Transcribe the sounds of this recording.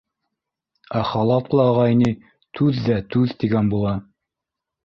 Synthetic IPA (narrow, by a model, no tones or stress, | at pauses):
æχɑlˠɑp̪lˠɑːʁɑini | t̪ʰʉðːæt̪ʉðt̪iɡænbulˠɑ